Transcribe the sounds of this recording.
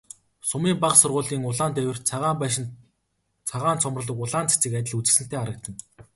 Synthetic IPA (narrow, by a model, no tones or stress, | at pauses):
sʊmiːmpaqsʊrʁʊːɮiːŋʊɮaːnt̪æwʲɘ̆rt͡sʰaʁaːmpæːʃ̬ɪ̆n | t͡sʰaʁaːnt͡sʰɔmrə̆ɮə̆kʊɮaːnt͡se̥t͡sɘ̆kæt̪ʲɪ̆ɮut͡s̆sɘ̆n̥t̪eːaɾə̆k̚t̪ə̆n